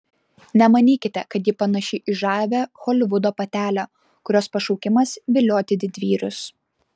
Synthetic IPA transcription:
nʲɛmɐnʲiːkʲɪt̪ʲɛkɐt̪jiːpɐnɐʃʲɪʔɪʒɑːʋʲɛxoːlʲɪʋʊd̪oːpɐt̪ʲæːlʲo | kʊɾʲoːspɐʃɔʊkʲɪmɐsʋʲɪlʲoːt̪ʲɪd̪ʲɪd̪ʲʋʲiːɾʲʊs

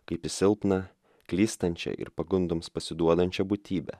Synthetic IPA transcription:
kɐɪpʲɪsʲɪlˠpnɐ | klʲiːst̪ɐnʲt͡ʃʲɛ̰ʔɪ̰ɾpɐɡʊnd̪omspɐsʲɪd̪uɔd̪ɐnʲt͡ʃʲɛbʊt̪ʲiːbʲɛ̰

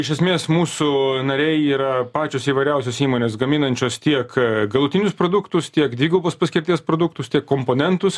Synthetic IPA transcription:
ɪʃʲɛsʲmʲeːsmuːsʊnɐɾʲɛɪiːɾɐpɑːt͡ʃʲoːsiːʋɐɪɾʲɛʊsʲoːsiːmoːnʲeːsɡɐmʲɪnɐnʲt͡ʃʲoːst̪ʲiɛkɡɐlˠʊt̪ʲɪnʲʊspɾoːd̪ʊkt̪ʊst̪ʲiɛkd̪ʲʋʲiːɡoboːspɐsʲkʲɪɾʲt̪ʲiɛspɾoːd̪ʊkt̪ʊst̪ʲiɛkːompoːnʲɛnt̪ʊs

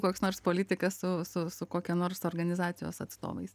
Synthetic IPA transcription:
koːksnoːrspoːlʲɪːt̪ʲɪkɐssʊsʊsʊkoːkʲɛnoːɾsoːrɡɐnʲɪzɑːt̪sʲɪjo̰ːsɐt̪st̪o̰ːʋɐ̰ɪs

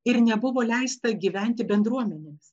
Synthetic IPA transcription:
ɪɾnʲɛbʊʋoːlʲɛɪst̪ɐɡʲiːʋʲɛnʲt̪ʲɪbʲɛnd̪ɾuɔmʲɛnʲeːmʲs

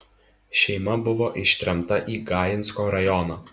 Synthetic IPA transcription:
ʃʲɛɪmɐbʊʋoːʔɪʃʲt̪ʲɾʲɛmt̪ɐʔiːɡɑːjɪnskoːɾɐjɔnɐː

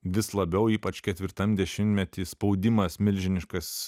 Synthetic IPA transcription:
ʋʲɪslˠɐbʲɛʊiːpɐt͡ʃkʲɛt̪ʲʋʲɪɾt̪ɐmd̪ʲɛʃʲɪmʲt̪ʲmʲɛt̪ʲiːspɒʊd̪ʲɪmɐsmʲɪlʲʒʲɪnʲɪʃkɐs

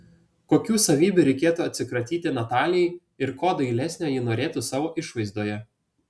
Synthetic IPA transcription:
koːkʲuːsɐʋʲiːbʲuɾʲɛɪkʲeːt̪uɐt̪ʲsʲɪkɾɐt̪ʲiːt̪ʲɪnɐt̪ɑːlʲɛɪ | ɪɾkoːd̪ɐɪlʲɛsʲnʲæjɪnoːɾʲeːt̪ʊsɑːʋoːʔɪʃʋɐɪzd̪oːjɛ

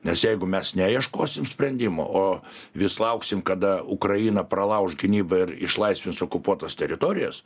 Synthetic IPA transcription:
nʲɛsjɛɪɡʊmʲɛsnʲæjiɛʃkoːsʲɪmsʲpʲɾʲɛnʲd̪ʲɪmo̰ʔoː | ʋʲɪslˠɐʊksʲɪmkɐd̪ɐʊkɾɐjiːnɐprɐlˠɐʊʒɡʲɪnʲiːbɐɪrɪ̰ʃlˠɐɪsʲʋʲɪnsoːkʊpuɔt̪ɐst̪ʲɛɾʲɪt̪oːɾʲɪjɛs

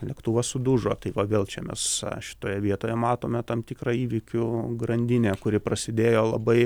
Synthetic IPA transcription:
lʲɛkt̪uʋɐsʊd̪uːʒoːt̪ɐɪʋɐʋʲeːlˠt͡ʃʲɛmʲɛ̰sʃʲɪ̥t̪oːjɛʋʲiɛt̪oːjɛmɑːt̪oːmʲɛt̪ɐmt̪ʲiːkrɑiːʋʲɪkʲʊɡɾɐnʲd̪ʲɪnʲeːkʊɾʲɪprɐsʲɪd̪ʲeːjoːlˠɐbɐɪ

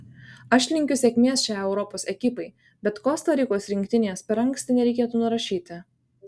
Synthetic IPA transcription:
ɐʃʲlʲɪŋʲkʲʊsʲɛkʲmʲiɛsʃʲæːˑɪɛʊɾɔpoːsʲɛkʲɪpɐɪ | bʲɛt̪koːst̪ɐɾʲiˑkoːsɾʲɪŋʲkʲt̪ʲɪnʲeːspʲɛɾɐŋksʲt̪ʲɪnʲɛɾʲɛɪkʲeːt̪uːnʊɾɐʃʲiːt̪ʲɪ

